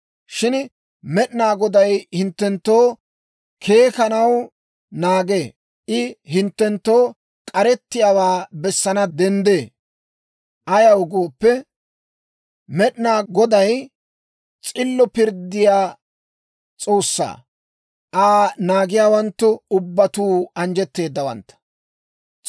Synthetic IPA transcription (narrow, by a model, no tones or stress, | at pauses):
ʃɪn | mɛɗnaːɡɔd̪ɐjhɪnt̪ːɛnt̪ːo̞ː | kʰe̞ːkɐnɐw | naːɡeː | ʔɪhɪnt̪ːɛnt̪ːo̞ː | kʼɐɾɛt̪ːɪjaːwaːbɛsːɐnɐd̪ɛnd̪eː | ʔɐjɐwʊɡo̞ːpːɛ | mɛɗnaːɡɔd̪ɐj | t͡sʼɪlːɔpɪɾd̪ɪjaː | t͡sʼo̞ːsːa̰ː | ʔaːnaːɡɪjaːwɐnt̪ːʊʊbːɐt̪uːɐnd͡ʒɛt̪ːe̞ːd̪ːɐwɐ̰nt̪ːɐ̥